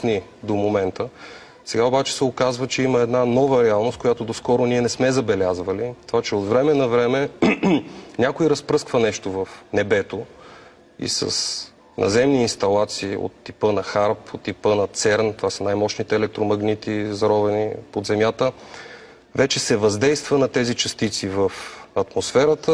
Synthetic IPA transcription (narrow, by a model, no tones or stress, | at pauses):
ni | d̪omomɛnt̪ə | sɛɡaobat͡ʃɛ̥sɛokazvət͡ʃɛiməɛd̪nanɔvəɾɛalˠnost̪̚koʊjat̪od̪oskɔɾoniɛnɛsmɛzɐbɛlʲazvəlit̪ovat͡ʃɛot̪vɾɛmɛnɐvɾɛmɛ | nʲakoiɾɐspɾɤskvɐnɛʃt̪ovɐfnɛbɛt̪o | ḭsə̰s | nʔɐ̰zɛmniːnst̪ɐlˠat̪siːo̰t̪ːipənɐxaɾpot̪ːipənɐt̪sɛɾnt̪ovasɐnajmɔt͡ʃnit̪ɛːlɛk̚t̪ɾomɐɡnit̪izɐɾɔvɛnipod̪zɛmjat̪ə | vɛt͡ʃɛsɛvɐzd̪ɛjst̪vənɐt̪ɛzit͡ʃɐst̪it̪sivəfɐt̪mosfɛɾət̪ə